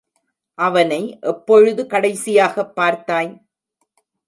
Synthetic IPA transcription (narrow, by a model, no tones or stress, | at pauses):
ʔɐʋɐnɐɪʔɛpːɔɻɯðɯkɐɽɐɪsɪjaːɣɐpːaːɾt̪aːj